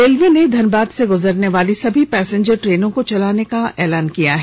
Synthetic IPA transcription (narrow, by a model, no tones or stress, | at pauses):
eːlʋened̪ʱɐnbaːd̪seɡʊzəɾneʋaːlisɐbʱipɛːsẽɲd͡ʒəɾʈɾeːnõkot͡ʃɐlaːnekaɛ̰ːlaːnkijaɦɛː